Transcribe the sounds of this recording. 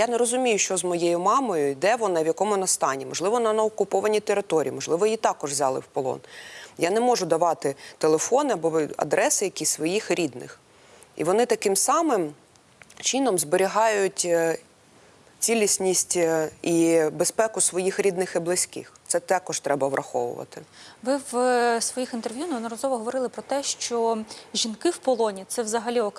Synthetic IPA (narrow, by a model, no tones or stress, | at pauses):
janeɾɔzʊmʲijʊʃt͡ʃɔzmɔjejʊmɑmɔjʊid̪ɛʋɔnɑʋjɐkɔmʊnɐst̪ɑnʲimɔʒlˠɪʋɔnɐnɐɔkʊpɔʋɐnʲit̪eɾɪt̪ɔɾʲḭːmɔʒlˠɪʋɔjit̪ɑkɔʒʋzʲɑlˠɪ̰wpɔlˠɔ̰njanɛmɔʒʊd̪ɐʋɑt̪ɪt̪elˠefɔnɪɐbɔɐ̰d̪ɾɛsɪjɐkʲisʋɔjixɾʲid̪nɪ̰x | ḭʋɔnɪt̪ɐkɪmsɑmɪm | t͡ʃinɔmzbeɾʲiɦɑjʊtʲ | t͡sʲilʲisʲnʲisʲtʲibespɛkʊsʋɔjixɾʲid̪nɪxiblˠɪsʲkɪ̰xt̪sɛt̪ɛkɔʒt̪ɾɛbɐʋɾʔɐxɔʋʊ̰ʋɐ̰t̪ɪʋɪwsʋɔjixint̪erʋʲjunɐɐd̪nɔɾɐzɔʋɔɦɔʋɔɾɪlˠɪpɾɔt̪ɛʃt͡ʃɔʒʲinkɪwpɔlˠɔnʲit̪sɛʋzɐɦɐlʲiɔk